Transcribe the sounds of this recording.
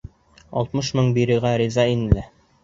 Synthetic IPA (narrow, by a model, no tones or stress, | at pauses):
ɒ̰lˠt̪mɤʃmɤɴbiɾɘ̆ʁæɾizɑinɘ̆læ